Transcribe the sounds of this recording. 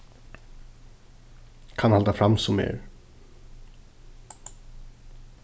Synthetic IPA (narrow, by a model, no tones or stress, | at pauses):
kʰanhalt̪afɾamsɔmḛɹ